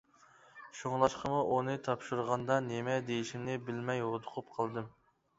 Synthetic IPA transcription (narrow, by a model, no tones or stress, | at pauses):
ʃoŋlˠɑʃqʰəmuʔunɨt̪ʰɑpʃuɾʁɑnd̪ɑnemɛd̪ejiʃimnɪbɪlmɛjot̪ʰʊqʰʊp̚qʰɑlˠd̪ɨm